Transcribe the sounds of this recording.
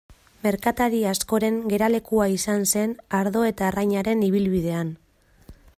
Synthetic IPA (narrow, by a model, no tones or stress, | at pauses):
me̞ɾkat̪aɾiasko̞ɾe̞ŋɡe̞ɾale̞kuaisanse̞naɾðo̞e̞t̪aːrajɲaɾe̞niβilβiðe̞an